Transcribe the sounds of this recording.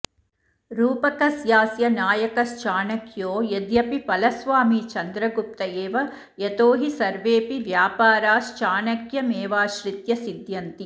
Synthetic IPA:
ɾuːpɐkɐsjaːsjɐnaːjɐkɐst͡ʃaːnɐkʰjoːjɐd̪jɐpipɐlɐsʋaːmit͡ʃɐnd̪ɾɐɡup̚t̪ɐeːʋɐ | jɐt̪oːɦisɐɾʋeːpiʋjaːpaːɾaːst͡ʃaːɳɐkjɐmeːʋaːʃɾit̪jɐsid̪jɐnt̪i

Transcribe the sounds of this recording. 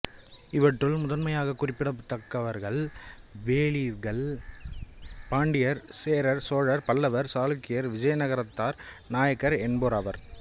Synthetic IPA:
ɪʋɐʈrɯɭmʊðɐnmɐjaːɣɐkːʊrɪpːɪɽɐt̪ːɐkːɐʋɐɾɣɐɭ | ʋeːɭiɾɣɐɭ | paːɳɖɪjɐɾseːɾɐɾsoːɻɐɾpɐlːɐʋɐɾsaːlɯkːɪjɐɾʋɪd͡ʒɐjɐnɐɣɐɾɐt̪ːaːɾnaːjɐkːɐɾɛɳboːɾaʋɐɾ

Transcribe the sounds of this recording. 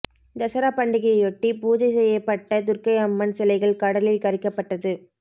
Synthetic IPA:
d̪ɐsɐɾaːpɐɳɖɪɣɐjɐjɔʈːipuːd͡ʒɐɪsɛjːɐpːɐʈːɐt̪ʊrkɐɪɐmːɐnsɛlɐɪɣɐɭkɐɽɐlɪlkɐɾɪkːɐpːɐʈːɐðɯ

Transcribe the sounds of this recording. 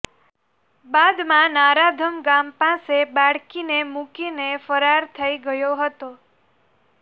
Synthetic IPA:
bad̪mãnaɾad̪ʱəmɡampãsebaɽkinemukinefəɾaɾt̪ʰəiɡəjoɦət̪o

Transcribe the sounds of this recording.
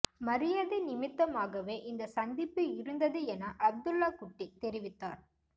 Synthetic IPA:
mɐɾɪjɐðɯnɪmɪt̪ːɐmaːɣɐʋeːʔɪnd̪ɐsɐnd̪ɪpːɯɪɾɯnd̪ɐðɯɛnɐʔɐb̚d̪ɯlːaːkʊʈːit̪ɛɾɪʋɪt̪ːaːɾ

